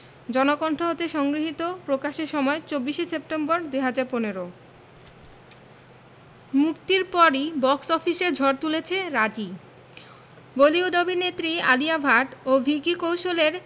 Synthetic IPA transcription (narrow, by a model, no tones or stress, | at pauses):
d͡ʑɔnokɔɳʈʰoɦotːʰeʃɔŋɡɾiɦit̪opɾokaʃeɾʃɔmɔet͡ɕobːiʃesep̚ʈemboɾd̪ujɦad͡ʑaɾponeɾo | mukt̪iɾpɔɾibɔksɔfiʃeɾd͡ʑʱɔɾt̪ulet͡ɕʰeɾad͡ʑi | boliod̪obinet̪ːɾia̰liabʱaʈobʱikikowʃoleɾ